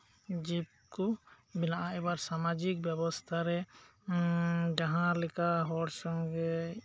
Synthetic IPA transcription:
d͡ʒip̚kɔ | binaʔaɛbaɾsamad͡ʒik̚bjɛbɔst̪ʰaɾɛ | d͡ʒaɦãɾlɛkaɦɔɾsɔŋɡɛ

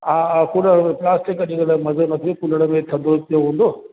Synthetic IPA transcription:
aːkʊləɾmẽplaːsʈɪkɗĩɡəɽmɐzənɐt̪ʰiokuləɽəmẽt̪ʰɐ̃nd̪oːzt̪ijoɦũːn̆d̪oː

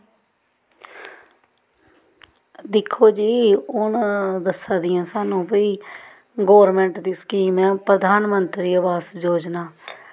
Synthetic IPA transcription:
d̪ɪkʰːoːd͡ʒiːʊɳd̪əsːaːd̪ɪjãːsaːnũːpiiː | ɡoːʋəɾmɛ̃ːɳʈd̪iːskiːmɛ̃ːpɾəd̪ʱaːnmənt̪ɾiːəbaːsd͡ʒoːd͡ʒnaː

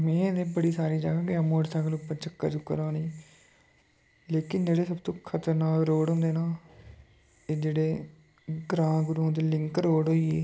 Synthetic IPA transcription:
mɛ̃ːd̪eːbəɽiːsaːɾiːd͡ʒaːɡãːkɪaːmoːʈsaːɡəlʊpːəɾt͡ʃəkːə̰t͡ʃʊkːə̰ɾaːniː | leːkɪnd͡ʒeːɽeːsəbt̪õːkʰət̪əɾnaːɾoːɽɦʊ̃nd̪eːnaː | t̪eːd͡ʒeːɽeː | ɡɾãːɡʊɾũːt̪eːlɪŋkɾoːɽɦoːiː

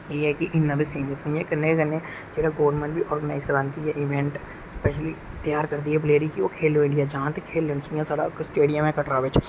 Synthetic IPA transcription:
jeːɦɛkiʔɪnːəbisiːmɪt̪nĩɦɛkɐnːekɐnːe | d͡ʒeːɽaɡoːʋəɾmẽɳʈbʱiʔɔːɾɡənaːɪzkɐɾaːnt̪iɦɛʔɪʋɛ̃ɳʈ | spɛːʃəlit̪jaːɾkɐɾd̪iɦɛbleːɾikiokʰeːloɪ̃ɳɖijad͡ʒɐɦãt̪ekʰːeːlːensijãsaːɽa̰ksʈeːɖijəmɦɛkɐʈɾaːʋet͡ʃʰ

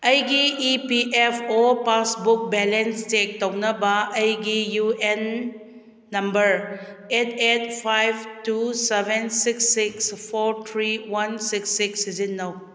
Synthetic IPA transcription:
ɐjɡiːpiʔepʰopasbuk̚bɛlenstek̚townɐbɐɐjɡijuenː | ɐmbɐɾ | etʰet̚pʰajb̚tusebʱensiksːikspʰoɾt̪ʰɾiwɐnsiksiksːizinːɐw

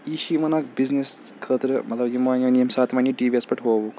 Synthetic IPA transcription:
iʃimɐnaːk̚bizneskʰəːt̪ɾɨmɐt̪lɐbjimaːnɐnimsaːt̪ʰmɐːnʲiʈiːʋiɐspɐʈʰɦoːʋuk

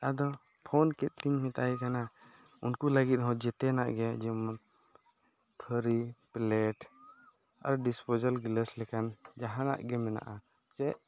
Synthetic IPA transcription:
ad̪ɔ | pʰɔnkɛt̪̚ˀt̪iɲmɛt̪aɛkana | unkuləɡit̪̚ɦɔ̃d͡ʒɛt̪ɛna̰ʔɡɛad͡ʒɛman | t̪ʰɔɾiplɛʈ | a̰ɾɖispod͡ʒəlɡləslɛkand͡ʒaɦana̰ʔɡɛmɛna̰ʔa | t͡ʃɛʔ

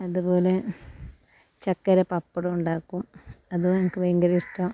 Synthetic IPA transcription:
ɐðupo̞ːle | t͡ɕɐkːɐɾɐpɐpːɐɽɐuɳɖaːkːumɐðuɐŋikːɨʋɐjŋɡɐɾiʂʈːɐ

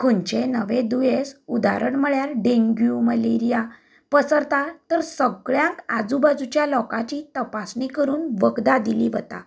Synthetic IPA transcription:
kʰuɳt͡ɕenəʋẽd̪ujesud̪a̰ɾəɳməɭjaɾɖeŋɡjuməleɾija | pəsəɾt̪at̪əɾsəɡɭjãŋkad͡zubad͡zut͡ɕjalɔkat͡ɕiːt̪əpasnikəɾuːnʋəɡd̪ad̪iliʋət̪a̰

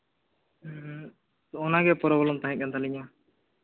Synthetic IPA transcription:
ɔnaɡɛpɔɾɔbɔlɔmt̪aɦɛ̃k̪̚ant̪ʰaliɲa

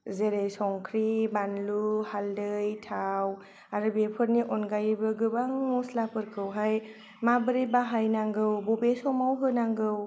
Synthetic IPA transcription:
zeɾejsɔŋkʰɾibanluhaldɯjtʰaw | aɾɯbepʰɯɾniʔɔnɡajbɯɡɯbaŋmuslapʰɯɾkʰɯwɦaj | mabɯɾebaɦajnaŋɡɯwbɔbesɔmawɡɯnaŋɡɯw

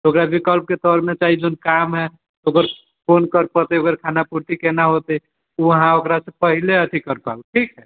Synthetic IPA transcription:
okɾabikəlp̚ket̪ɔɾmet͡ʃaɦid͡ʒonkamɦɛ | oɡəɾ | fonkəɾpət̪eioɡəɾkʰanapuɾʈ̪ikenaɦot̪ə | uəɦãokɾasẽpəɦileət̪ʰikəɾpa̰lʈʰikɦɛ

